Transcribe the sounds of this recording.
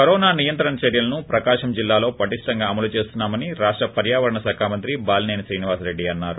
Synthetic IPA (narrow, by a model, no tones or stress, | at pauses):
kɐɾɔːnaːnijɐnt̪ɾɐɳɐt͡ʃɐɾjɐlɐnupɾɐkaːʂɐmd͡ʒilːaːlo̞ːpɐʈiʂʈɐŋɡaːɐmɐlut͡ʃe̞ːst̪unːaːmɐniɾaːʂʈɾɐpɐɾjaːʋɐɾɐɳɐsaːkʰaːmɐnt̪ɾibaːlneːnsɾiːniʋaːsɾe̞ɖːiɐnːaːɾu